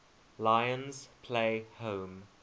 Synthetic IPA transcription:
laɪə̃nz̥pʰleɪhõʊm

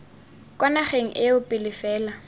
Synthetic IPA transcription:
kʼwanaχeŋ̩ʔɪʊpʼɪlɪfɛːla

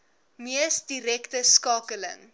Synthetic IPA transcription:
miəsdiɾɛktəskɑːkələ̰ŋ

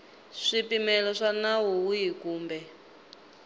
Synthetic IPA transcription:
ʂipimɛlɔʂanawuwujikuːmbɛ

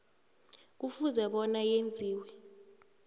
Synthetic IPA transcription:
k̬ufuzɛɓɔnajend͡zʱiːwɛ

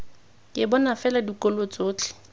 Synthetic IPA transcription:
kʼɪbɔnafɛladikʼolot͡sʼoːt͡ɬʰʼɪ̥

